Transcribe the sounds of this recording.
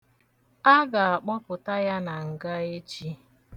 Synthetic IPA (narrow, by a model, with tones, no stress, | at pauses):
a˦ɡa˨a˨k͡pɔ˦pʊ˨ta˦ja˦na˨ŋ̩˨ɡa˦e˦t͡ʃi˦